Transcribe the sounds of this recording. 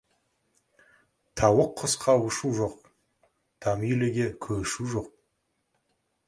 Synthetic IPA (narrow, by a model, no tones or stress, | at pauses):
t̪ʰɑwəqʰːəsqʰɑwʊʃuʒo̞q | t̪ʰɑmijleɡʲekʲʰɵʃuʒo̞q̚